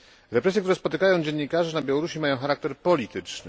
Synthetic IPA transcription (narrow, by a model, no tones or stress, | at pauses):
ɾɛpɾɛsʲjɛkt̪uɾɛspɔt̪ɘkajɔ̃w̃d͡ʑɛɲːikaʐɛnabʲjawɔɾuɕimajɔ̃xaɾak̚t̪ɛɾpɔlʲit̪ɘt͡ʂnɘ̰